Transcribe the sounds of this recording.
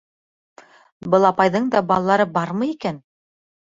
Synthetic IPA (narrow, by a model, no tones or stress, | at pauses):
bɤlˠɑpɑjðɤɴd̪ɑbɑlˠɑlˠɑɾɤbɑɾmɤjikæn